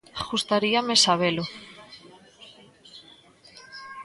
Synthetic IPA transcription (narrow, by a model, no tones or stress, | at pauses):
xust̪aɾiamesaβ̞elo